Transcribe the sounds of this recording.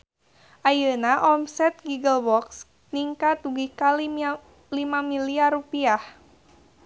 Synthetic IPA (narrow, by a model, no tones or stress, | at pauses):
ʔajənaʔɔmsɛt̪̚ɡuɡəlbɔks | niŋkat̪̚uɡihkali | limamiliarupiah